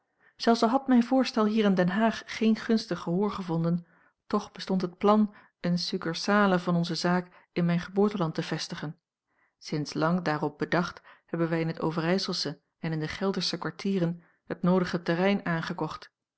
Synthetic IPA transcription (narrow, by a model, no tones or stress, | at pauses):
z̥ɛlˠfsɑlˠɦɑtmɛjnvʊːɹstɛlˠɦiːɾɪndɛnɦaːχːejnχɵnstəχəɦʊːɹχəvɔndən | tɔχb̥əstɔntɦət̚plɑn | ənsykəɹsaːləvɑnɔnzəzaːk | ɪnmɛjnχəbʊːɹtəlɑntəv̥ɛstəχən | sɪnslɑŋdaːrɔp̚bədɑχthɛbənʋɛjɪnɦəto̰wvərɛjsəlˠsə | ɛnɪndəχɛlˠdəɹsəkʋaɹtʰiːrən | hət̚nowdəχətɛrɛjnaːnχəkɔχt